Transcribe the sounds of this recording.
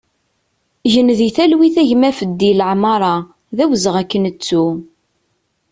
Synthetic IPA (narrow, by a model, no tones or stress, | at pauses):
ʝənðiθælwiθæʝmæfəd̪ːilʕmɑɾˤɑ | ðæwəzəʁækːənət͡sːu